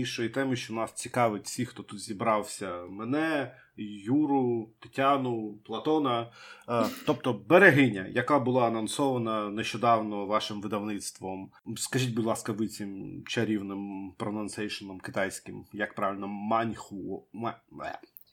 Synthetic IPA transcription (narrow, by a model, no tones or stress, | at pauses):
inʃɔjit̪ɛmɪʃt͡ʃɔnɑst͡sʲikɑʋɪt̚ʲfsʲixt̪ɔt̪ut̪zʲibɾɑwsʲɐmɛnɛ | juɾʊt̪ɪ̥tʲanʊplˠɐt̪ɔnɐ | t̪ɔp̚t̪ɔbeɾeɦɪnʲɐ̰jɐkabʊlˠɑɐnɐnsɔʋɐnɐneʃt͡ʃɔd̪ɑwnɔʋɑʃɪmʋɪd̪ɐwnɪt̪st̪ʋɔm | skɐʒʲit̚ʲbʊdʲlˠɑskɐʋɪt͡sʲimt͡ʃɐɾʲiwnɪmpɾɔnɐnsɛjʃɔnɔmkɪt̪ɑjsʲkɪmjɐk̚pɾɑʋʲɪlʲnɔmanʲxʊmɛɛ̰